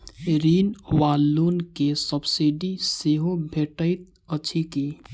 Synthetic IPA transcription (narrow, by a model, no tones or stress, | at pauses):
ɾiːnwaːlːuːnkesəbsiɖiseɦobʱeːʈəɪt̪̚ | ət͡ʃʰikiː